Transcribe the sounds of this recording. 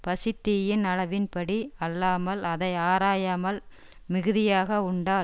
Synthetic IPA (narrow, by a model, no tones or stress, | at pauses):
pɐsɪt̪ːɪjɪnɐlɐʋɪnpɐɽiɐlːaːmɐlɐðɐɪaːɾaːjaːmɐl | mɪɣɯðɪjaːɣɐʊɳɖaː